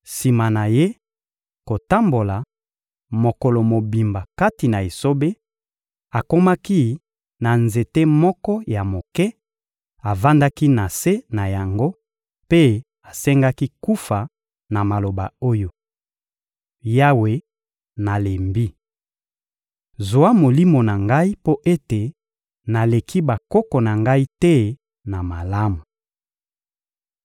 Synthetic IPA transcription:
si˨ma˨na˨je˦ | ko˨ta˦mbo˨la˨ | mo˨kɔ˨lɔ˨mo˨bi˨mba˨ka˦ti˨na˨e˨so˦be˦ | a˨ko˦ma˦ki˦ | na˨nze˨te˦mɔ˦kɔ˦ja˨mo˨kɛ˦ | a˨va˦nda˦ki˦na˨se˦na˨ja˨ŋɡo˦ | pe˦ | a˨sɛ˦ŋɡa˦ki˦ku˦fa˨ | na˨ma˨lo˨ba˨o˦jo˨ | ja˦we˨ | na˨le˨mbi˦ | zo˨a˦mo˨li˦mo˨na˨ŋɡa˦i˦po˦ʔe˦te˨ | na˨le˨kʰi˦ba˨kɔ˦kɔ˨na˨ŋɡa˦i˦tɛ˦ | na˨ma˨la˦mu˨

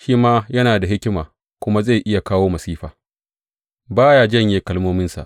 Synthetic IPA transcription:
ʃiː˦maː˦jɐ˦naː˨da˨ɦɪ˦kʲɪ˦maː˨ | kʷʊ˦ma˦za˦˨jʔɪ˦ja˨kaː˦woː˦mɐ˨siː˦ɸa̰ː˨ | baː˦jaː˦d͡ʒɐ˦˨ɲjeː˦kɐ˦lmoː˦mɪ˦nsa̰˨ʔ

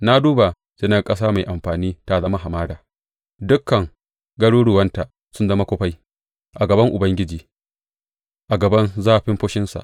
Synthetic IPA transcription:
na˦duː˦ba˨ | sɪ˦nɐ˦˨kʼɐ˦s̬aː˦ma˨jʔa˨mɸaː˨niː˦ta˨zɐ˦ma˦ɦa˨maː˦daː˨ | dʊ˦kːɐ˨ŋ | ɡɐ˦ɽuː˦ɽʊ˨wɐ˦nta˨ | sʊ˦nzɐ˦ma˦kʷɔ˦ɸa˦j | ʔa˨ɡɐ˨bɐ˦ŋʔʊ˨bɐ˦ŋɡʲɪ˦d͡ʒiː˨ | ʔa˨ɡɐ˨bɐ˦nzaː˦ɸɪ˦mɸʊ˦ʃɪ˦nsa̰˨ʔ

